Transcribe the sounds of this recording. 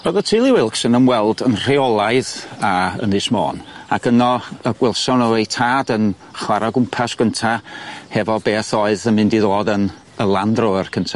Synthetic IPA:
ɔðɔtʰilˠɪwɪlˠksənəmwɛlˠdənr̥eɔlˠaɨðaə̰nɨsmo̰ːnakʰənɔəɡ̥wɪlˠsɔnəwejtʰaːdən | χwaɾaɡʊmpʰasɡ̥əntʰahɛvɔbeːθɔɨðənmɪndiðoːdən | əlˠandrɔərkʰəntʰa

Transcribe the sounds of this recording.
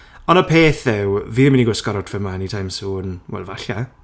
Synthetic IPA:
ɔnəpʰeːθðɪwviːnəminiɡwəskɔɾɔtʰvəmanitʰajmsuːnwɛ̰lˠvaɬa

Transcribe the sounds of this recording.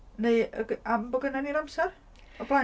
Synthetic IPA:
nejəɡambəɡənaniɾamsar | ɔpla

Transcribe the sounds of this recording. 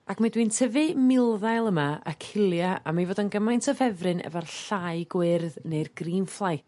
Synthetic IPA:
akmadwiːntʰəvɨmɪlˠðajlˠəmaəkʰɪlˠjaa̰mavoːdənɡəmajntʰɔvɛvrɨnɛ̰varɬaɨɡwɪrðnejrɡ̥riːnflˠaj

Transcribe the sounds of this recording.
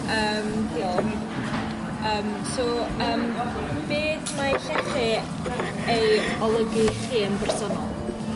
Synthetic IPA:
əːmdilˠ | əːm | soəːm | b̥eːdmaɬɛχɨ | ejɔlˠəɡɨχiːənbɛrsɔnɔlˠ

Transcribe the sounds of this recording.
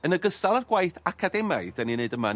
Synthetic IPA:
ənəɡəstalˠarɡwajθakʰadɛmajðɛnineɨdəma

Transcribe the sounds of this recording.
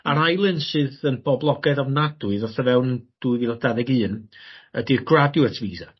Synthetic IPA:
aɾajlˠɨnsɨːðənb̥ɔblˠɔɡaðavnadʊɨðɔθɔvɛwnənd̥uɨvilˠadaðɛɡɨːnədirɡradjuətʰviːza

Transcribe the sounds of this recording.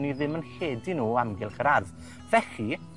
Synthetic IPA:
niðɪmənɬeːdinuːamɡɪlˠχəɾarð | vɛχi

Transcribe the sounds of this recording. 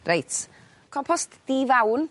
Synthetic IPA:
rejt | kʰɔmpʰɔstd̥ivawn

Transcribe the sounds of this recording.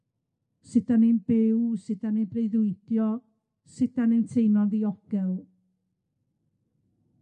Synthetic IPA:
sɪdanenb̥ɪwsɪdanenbrejðʊɨd̥jɔ | sɪd̥anejntʰejnɔndiɔɡ̥ɛlˠ

